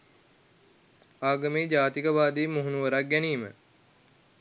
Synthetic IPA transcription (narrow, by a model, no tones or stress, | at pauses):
aːɡɐmeːd͡ʒaːt̪ikəʋaːd̪iːmuɦunuʋəɾak̚ɡæniːmə